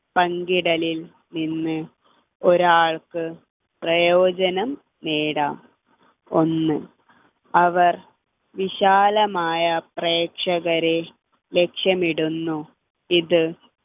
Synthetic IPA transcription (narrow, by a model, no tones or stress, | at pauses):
pɐŋɡiɽɐlil | ninːɨ | oɾaːɭkɨ | prɐjoːd͡ʑɐnɐmː | eːɽa̰ːm | o̞nːɨ | ɐʋɐr | ʋiɕaːlɐmaːjɐpreːkʂɐɣɐɾe | le̞kʂjɐmiɽunːu | iðɨ